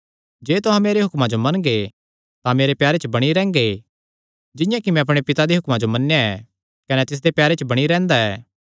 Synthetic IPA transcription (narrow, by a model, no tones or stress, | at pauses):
d͡ʒeːt̪ʊɦãmeːɾeɦʊkmad͡ʒomɐnɡe | t̪ãmeːɾepjaːɾet͡ʃbɐɽ̃iɾɛ̃ːŋɡe | d͡ʒɪ̃jãkimɛ̃ɐp̬ɽ̃epɪt̪ad̪eɦʊkmad͡ʒomɐnːejaɛ | kɐnɛt̪ɪs̬d̪epjaːɾet͡ʃbɐɽ̃iɾɛ̃ːnd̪aɛ̰ː